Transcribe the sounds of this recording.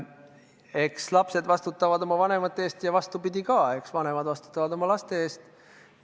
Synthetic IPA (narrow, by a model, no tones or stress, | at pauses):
e̞kslɑpse̞d̪vɑst̪ut̪ːˑɑvɑd̪̥o̞mɑvɑne̞mɑt̪ːˑeeːst̪jɑvɑst̪upid̪̥ʲikɑːe̞ksvɑne̞mɑd̪vɑst̪u̥t̪ːˑɑvɑd̪o̞mɑlɑst̪e̞eːst̪